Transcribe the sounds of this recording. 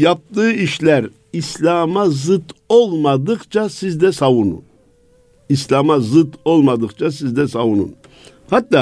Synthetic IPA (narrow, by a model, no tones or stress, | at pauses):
jap̚t̪ɯːiʃlʲæɾ | islʲaːmazɯt̪olˠmad̪ɯqt͡ʃʰasizd̪ɛsavunṵn | islʲaːmazɯt̪o̞lˠmad̪ɯqt͡ʃʰasizd̪ɛsavunṵn | hat̪ːaː